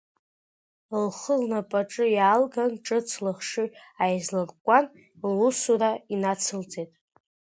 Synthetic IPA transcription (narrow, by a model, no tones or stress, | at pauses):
lχəlnapʼaʈ͡ʂʼɨjaːlɡanʈ͡ʂʼɨt͡sʰlɨχʂɨajzlarʼkʷʼan | lusuɾainat͡sʰɨlt͡sʼetʼ